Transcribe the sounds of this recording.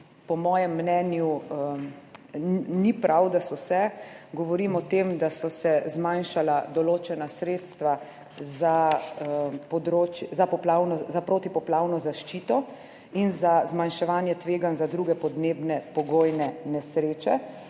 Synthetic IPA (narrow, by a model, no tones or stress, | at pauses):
pɔmɔːjɛmːnɛːnju | nipɾʔawd̪asɔsɛɡɔʋɔɾimɔt̪eːmd̪asɔsɛzmanʃalad̪ɔloːt͡ʃɛnasɾeːt̪st̪ʋa | za | pɔd̪ɾoːt͡ʃzapɔplaːwnɔzapɾoːt̪ipɔplaːwnɔzaʃt͡ʃiːt̪ɔ | inzazmanʃɛʋaːnjɛt̪ʋeːɡanzad̪ɾuːɡɛpɔd̪neːbnɛpɔɡoːjnɛnɛsɾeːt͡ʃɛ